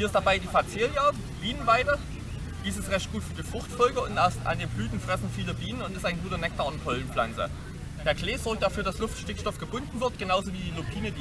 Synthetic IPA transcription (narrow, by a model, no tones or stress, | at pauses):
hiɐɪstd̥abaɪdiːfat͡seːja | b̥iːnənvaɪdə | d̥iːs̬ɪstʁɛçt̚ɡ̥uːtfyːɐdiːfʁ̥ʊχxtfɔlɡəʊntɛɐstʔa̰niːblyːtn̩fʁ̥ɛsn̩fiːləbiːnənʊntɛstaɪnɡuːtɐnɛk̚taɐʊnthʰɔlən̩fla̰nt͡sə̰ | d̥eːɐkleːz̥ɔɐk̚d̥afyːɐdaslʊftʃtɪkʃtɔfɡ̥əbʊndn̩vɪɐtɡ̥ənaʊzoviːdiːlopʰiːnə